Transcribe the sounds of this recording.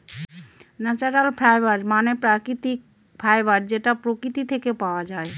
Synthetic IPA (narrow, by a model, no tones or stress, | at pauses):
nɛt͡ɕaɾalpʰɾajbaɾmanepɾakɾit̪ik̚ | pʰɾajbaɾd͡ʑeʈapɾokɾit̪it̪ʰekepaoad͡ʑae